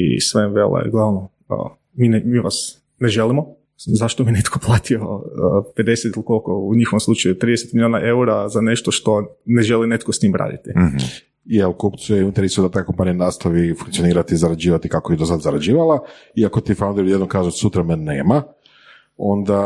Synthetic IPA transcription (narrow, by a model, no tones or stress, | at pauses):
ḭsʋemʋelʔḛɡlˠaʋno | ə̰ | minmiʋa̰s | neʒelimo̞ | zaʃt̪ominet̪kʰoplˠaːt̪ioəpe̞d̪e̞set̪ilˠikolkouɲixoʋomslˠut͡ʃajut̪ɾiːd̪eset̪miljoːnaʔe̞uɾazane̞ʃt̪oʃt̪o̞ | ne̞ʒe̞linet̪̚kost̪iːmɾa̰ːd̪ḭt̪i | jelkopt̪sujeint̪eɾesijud̪at̪akompanijanaːst̪aʋifuŋkt̪ioniːɾat̪izaɾad͡ʒiːʋat̪ikakojed̪osad̪zaɾad͡ʒiːʋalˠaiakot̪ifand̪oɾjudjed̪nomkaːʒesut̪ɾamenːeːma | o̞nd̪a